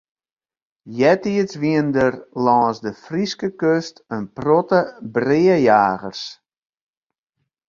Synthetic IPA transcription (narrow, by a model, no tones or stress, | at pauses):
jɛtiəsʋiəndərlɔːsdəfriskəkøstənprɔtəbrɪəjaːɣərs